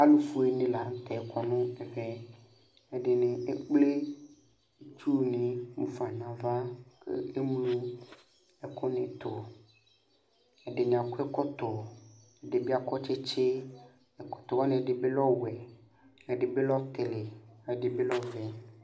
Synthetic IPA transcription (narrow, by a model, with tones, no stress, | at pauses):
a˦lu˦fu˦e˨nẽ˦la˨˦ŋ̩˦t̪ɛ˨kɔ˨nũ˦ɛ˨vɛ˦ | e˨ɖe˨nẽ˨e˦k͡ple˦ | e˦t͡ʃu˦nĩ˨ŋũ˦fa˨nã˨va˦kḛ˦e˦mlũ˦ | ɛ˨kɔ˦nẽ˨t̪ɔ˨ | e˨ɖe˨ɲ˨a˨ku˦ɛ˦kɔ˦t̪ɔ˨ | e˨ɖe˨bi˦a˨kɔ˦t͡ʃe˦t͡ʃe˦ | e˨kɔ̥˨t̪ɔ˨wa˦nẽ˨e˨ɖe˨be˦lɔ˦wɛ˨ | ɛ˨ɖe˨be˦lɔ˦t̪e˨le˨e˨ɖe˨be˦lɔ˦vɛ˨